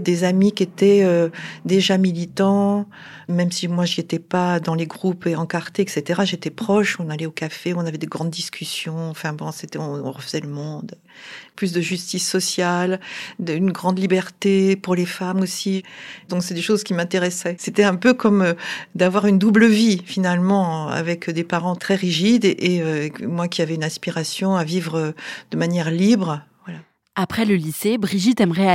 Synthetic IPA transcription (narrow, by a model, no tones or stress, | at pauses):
d̪ezamikʲet̪ɛød̪eʒamilit̪ɑ̃ | mɛmsimwaʒiet̪ɛpad̪ɑ̃leɡʁupeɑ̃kaʁt̪eɛkset̪eʁaʒet̪ɛpχɔʃɔ̃nalɛokafeɔ̃navɛd̪eɡʁɑ̃d̪d̪iskʲʰysjɔ̃ɑ̃fɛ̃bɔ̃set̪ɛɔ̃ɔ̰̃ʁəfəzɛləmɔ̃d̪ | plys̬d̪əʒyst̪isːɔsjalynɡʁɑ̃d̪libɛʁt̪epuʁlefamosid̪ɔ̃ksɛɛd̪eʃozkʲimɛ̃t̪eʁɛsɛset̪ɛɛ̃pøkɔmød̪avwaʁynd̪ubləvifinalmɑ̃a̰vɛkd̪epaʁɑ̃t̪χɛʁiʒid̪ʔeømwakʲiavɛynɛ̃spiʁasjɔ̃avivʁød̪̥əmanjɛʁlibʁəvwala | apχɛləlisebʁiʒit̪ɛmʁɛ